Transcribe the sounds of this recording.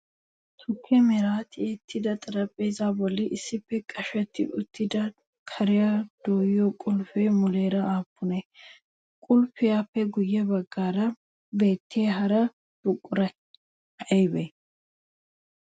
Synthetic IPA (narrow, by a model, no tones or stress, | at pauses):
t̪ʰʊkʰːɛmɛɾaːt̪ɪet̪ʰːɪd̪ɐt̪ʼɐɾɐpʼːeːzaːbɔlːɪʔɪsːɪpːɛkʼɐʃɛt̪ːɪ̰ʔʊt̪ːɪd̪ɐ | kʰɐɾɪjad̪̥oːjɔkʼʊlfemʊle̞ːɾɐaːpːʊnɛ | kʼʊlfɪjaːpːɛɡʊjːɛbɐɡːaːɾɐ | be̞ːt̪ːeːɦɐɾɐ | bʊkʼːʊɾɐ | ɛjbɛ